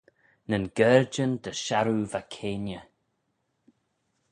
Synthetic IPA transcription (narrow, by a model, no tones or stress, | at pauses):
nənɡɛːɹd͡ʒənd̪əʃaɾuvakʰeːnjə